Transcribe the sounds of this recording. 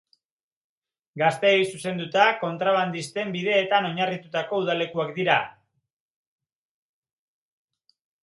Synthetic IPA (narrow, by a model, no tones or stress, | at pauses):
ɡast̪e̞ːjsuse̞nd̪ut̪ako̞nt̪ɾaβ̞and̪ist̪e̞mbiðe̞ːt̪ano̞ɲarit̪ut̪ako̞uðale̞kuakd̪iɾa